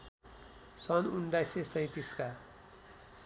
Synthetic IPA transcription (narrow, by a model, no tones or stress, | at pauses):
sɔnunɖajsesʌ̃ĩt̪iska